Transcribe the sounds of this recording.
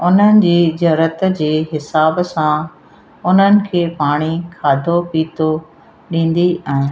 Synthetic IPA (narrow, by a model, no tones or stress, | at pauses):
ʊn̤ənɪ̆d͡ʑiːd͡ʑɐɾət̪d͡ʑeːɦɪsaːbsã | ʊn̤ənɪ̆kʰeːpaːɽ̃ikʰaːd̪ʱopiːt̪o | ɗĩːn̆d̪iaːɦɪ̃n